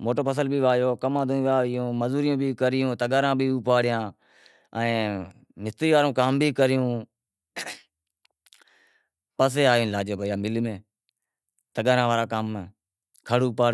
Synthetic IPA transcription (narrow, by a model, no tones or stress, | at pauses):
moːʈəːpʰəs̬əlbiːʋaːjoːkəmãːd̪õːĩːʋaːɪjõːməzuːɾɪjõːbʱiːkəɾɪjõːt̪əɠaːɾãːbʱiːuːpaːɽɪjãː | ə̃ː | mɪst̪ɾiːʋaːɾõːkaːmbʱiːkəɾɪjõː | pəs̬eːaːjõːlaːd͡ʒjoːbəijãːmɪlmẽː | t̪əɡaːɾãːʋaːɾaːkaːm | kʰəɽuːpaːɽ